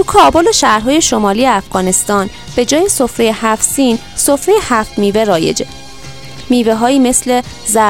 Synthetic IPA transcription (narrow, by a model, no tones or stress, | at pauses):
t̪ukʰɒːbo̞leʃæhɾɦɒːje̞ʃo̞mɒːliːjeæfɡ̥ɒːne̞st̪ɒːn | b̥e̞d͡ʒɒːje̞so̞fɾe̞jehæfsiːn | sofɾejehæft̪miːve̞ɾɒːje̞̰d͡ʒe | miːveɦɒːiːme̞sle̞ | zæ